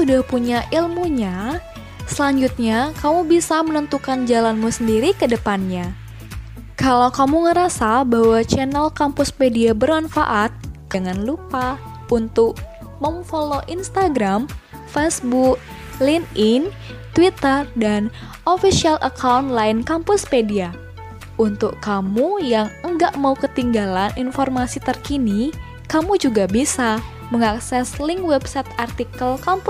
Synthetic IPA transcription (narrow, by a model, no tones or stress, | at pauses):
sudahpuɲaʔilmuɲa | səlaɲd͡ʒut̪̚ɲakamubisamənənt̪ukand͡ʒalanmusəndiɾikədəpanɲa | kalawkamuŋəɾasabawat͡ʃɛnɛlkampusmediabərmanfa̰ʔat̪̚d͡ʒəŋanlupa | ʔunt̪ʊk̚ | məmfoloʔinst̪aɡɾam | fesbuk̚ | linɪn | t̪wit̪ərdan | ʔofisialʔə̰kʰawnt̪laɪnkampʊspedia | ʔunt̪ʊkkamujaŋəŋɡaʔmaukət̪iŋɡalaninformasit̪ərkini | kamud͡ʒuɡabisa | məŋaksɛsliŋwɛbsɛt̪art̪ikəlkamp